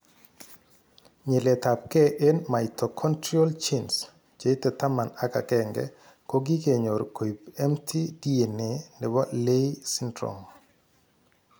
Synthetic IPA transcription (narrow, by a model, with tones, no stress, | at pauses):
ɲe˨lɛ˨ta˨p̚kɛ˦ʔe˦nma˨ɪtɔ˨kʰɔ˦ntɾɔ˦lt͡ʃi˦ns | d͡ʒe˨˦i˦tɛ˨ta˦ma˨na˦ka̰˨kɛ˦ŋɡɛ̰ | ko˦ɡi˦ke˨ɲo˨ɾko˨i˨pɛ˦mtʰi˦di˦e˨nɪ˨nɪ˨wa˦le˦i˦si˦ndɾɔ̰˨ŋ